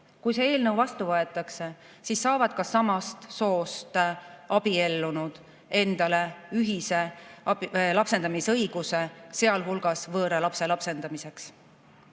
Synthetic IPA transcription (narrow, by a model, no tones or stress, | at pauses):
kujse̞e̞ːlnɤwvɑst̪uvɤe̞t̪ːˑɑkse̞ | sisːɑːvɑd̪̥̚kɑsɑmɑst̪so̞ːst̪ɑb̥ie̞lːunud̪̥ | e̞nd̪̥ɑle̞yɦise̞ | lɑpse̞nd̪ɑmisɤ̞jɡ̥use̞se̞ɑlɦulɡ̥ɑsvɤːɾɑlɑpse̞lɑpse̞nd̪ɑmise̞ks